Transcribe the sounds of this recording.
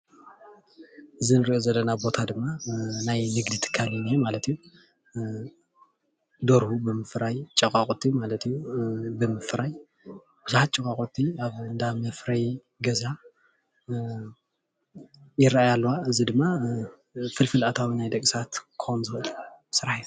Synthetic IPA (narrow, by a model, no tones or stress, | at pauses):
ʔɨzinɨɾiʔozɐlːɐnabo̞t̪ʰad̪ɨmːanajnɨɡd̪it̪ʰɨ̥kʰːalinemalɐt̪ʰijːu | d̪oɾhubɨmɨfɾajt͡ʃʼɐkʼakʼot̪ʰːimalɐt̪ʰijubɨmɨfɾaj | b̥ɨzħat̪̚t͡ʃʼːɐkʼakʼot̪ʰːiaβɨnd̪amɐfɾɐj | ɡɐza | jɪɾaʔajalːwaɨzid̪ɨmːa | fɨlfɨlat̪ʰawinajd̪ɐkʼsat̪kʰɨxonzɨxɨlbɨsɨɾaħi